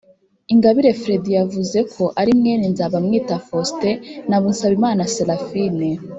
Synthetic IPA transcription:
iŋɡaβiɾe̞fɾe̞dijavuze̞kʰo̞ʔaɾimŋeninzaβamŋiːtafoste̞naβunsaβimaːnaselafine

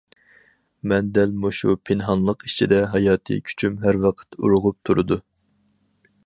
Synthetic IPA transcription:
mɛnd̪ɛlmuʃṵpʰɪnɦɑnlˠəqit͡ʃʰid̪ɛɦɑjɑːt̪ʰɨ̰kʲʰy̥t͡ʃʰymɦæɾwɑqʰə̥t̪ṵɾʊʁʊp̚t̪ʰuɾɨd̪u

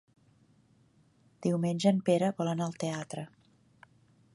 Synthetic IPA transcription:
d̪̥iwmenʲʒəːmpeɾəβɔlənəlˠt̪eat̪ɾə

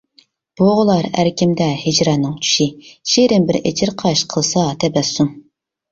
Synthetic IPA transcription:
b̥oʁʊlˠɑɾæ̰ɾkʲʰɪmd̪ɛhɪd͡ʒɾɑnɨŋt͡ʃʰy̥ʃiʃiɾɪmbɪɾḛt͡ʃʰɪɾqʰɑʃqʰəlˠsɑt̪ʰɛbɛsːum

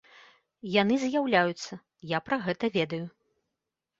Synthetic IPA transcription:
janɨzʲjawlʲajut̪sːɐ | japɾɐɣɛt̪ɐvʲɛd̪ɐju

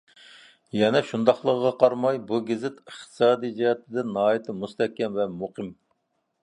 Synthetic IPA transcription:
jɛnɛʃund̪ɑχlˠəʁʁɑqʰɑɾmɑjbuɡʲɪzɪt̪əχt̪ʰɨ̥sɑːd̪ijd͡ʒihɛt̪ʰɪd̪ɪnnɑːjit̪ʰɨmust̪ɛkʲːɛmvɛmuqʰəm

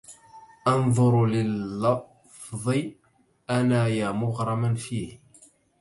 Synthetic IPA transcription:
ʔɑnðˤʊɾlɪlːɑ | ffðˤɨ | ʔanaːjaːmʊɣɾˤɑmanfiːh

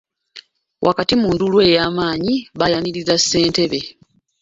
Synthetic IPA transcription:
wʔa̰katimuːndulwe̞ːjaːmaːɲiβajaniɾizasːe̞ːnte̞βe̞

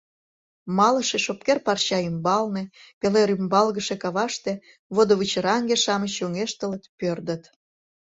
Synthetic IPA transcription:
mɑləʃeʃop̚kerpɑrɕɑymbɑlnepeleɾymbɑlɣəʃekɑβɑʃt̪ĕ | βod̪oβɨt͡ɕəɾɑŋɡeʃɑmət͡ɕoŋeʃt̪ələt̪pørd̪ət̪

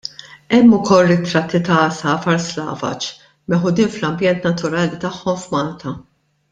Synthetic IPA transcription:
ɛmːʊkɔlːɪt̪ɾɐt̪ːit̪ɐsɐːfɐɾslɐ̰ːvɐ̰t͡ʃ | mɛħʊd̪iːnflɐmbjɛnt̪nɐt̪ʊɾɐːlit̪ɐħːɔmfmɐːlt̪ʰɐ

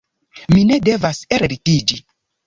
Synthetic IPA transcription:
mine̞de̞vaseɾɾitid͡ʒi

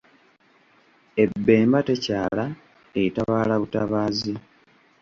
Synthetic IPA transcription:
e̞bːe̞ːmbate̞caːla | eitaβaːlaβutaβaːzi

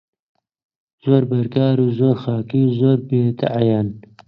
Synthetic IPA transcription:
z̥oːɾbɐɾkɑːɾuːzoːɾxɑːkizoːɾbeːt̪a̰ʕajan

